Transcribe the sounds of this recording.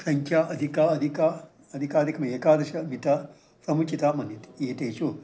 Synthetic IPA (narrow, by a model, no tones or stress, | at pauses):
sɐɲkʲʰaːʔɐd̪ʱikaɐd̪ʱika | ɐd̪ʱikaːd̪ʱikɐmɐeːkaːd̪ɐʃɐmit̪ɐ | sɐmut͡ʃit̪amɐnit̪eːʈejt͡ʃu